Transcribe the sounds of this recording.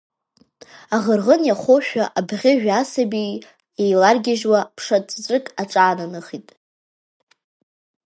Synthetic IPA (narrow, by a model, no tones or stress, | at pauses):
aʁərʁənjaχʷoʃᶣaʔabʁʲɪʒᶣasabi | ejlarɡʲɪʒwapʰʂat͡sʼʰzrɨkʼaʈ͡ʂʼaːnanɨχitʼ